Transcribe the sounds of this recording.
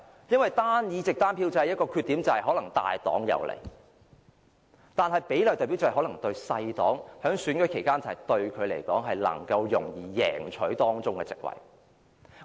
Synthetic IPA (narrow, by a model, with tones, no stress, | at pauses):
jɐ˥nwɐ˨jt̪aː˥njiː˨˧t͡sɪ˨k̚t̪aː˥npʰi˧wt͡sɐ˨˧hɐ˨jɐ˥t̚kɔː˧kʰy˧t̪iː˨˥mt͡sɐ˨hɐ˨jɦɔː˨˥lɐ˨˩ŋt̪a̰ː˨jt̪ɔ̰ː˨˥ŋjɐ̰˨˧wlḛ˨˩j | t̪aː˨nɦɐ˨jpe˨˥jljt̪ɔː˨pi˨˥wt͡shɐ˨˩ɦɔ˨˥lɐ˨˩ŋt̪ɵ˧ɥsɐ˧jt̪ɔː˨˥ŋhœː˨˥ŋsyː˨˥nɡɔ˨˥kʰe˨˩jkaː˥nt͡sɐ˨ɐ˨˩jt̪ɵ˧ɥkʰɵ˨˧ɥle˨˩jkɔː˨˥ŋɦɐ˨jlɐ̰˨˩ŋkɐ˧wjʊ˨˩ŋjiː˨jɛ̰ː˨˩ŋt͡ʃʰɵ˨˥ɥt̪ɔː˥ŋt͡sʊ˥ŋkɛ̰˧t͡sɪ̰˨k̚wɐ̰˨˩j